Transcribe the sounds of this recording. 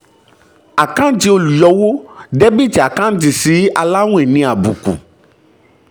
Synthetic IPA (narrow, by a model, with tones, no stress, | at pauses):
a˨kã˦n˦d͡ʒi˦o˦lu˨jɔ˨wo˦ɖe˦bi˦ti˨a˨kã˦n˦d͡ʒi˨si˨˦a˨la˦ŋũ˦ɛ˨nĩ˨˦a˨bṵ˨kṵ˨